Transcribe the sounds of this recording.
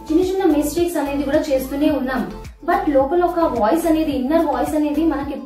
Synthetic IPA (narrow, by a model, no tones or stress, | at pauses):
d͡ʒinit͡ʃɐnːɐmisʈiːksɐne̞ːd̪ikuːɽaːt͡ʃe̞ːst̪uːne̞ːunːaːm | bɐʈlɔːkɐlɔkɐʋɔːjsɐne̞ːd̪iːnːɐɾʋɔːjsɐne̞ːd̪imɐnɐki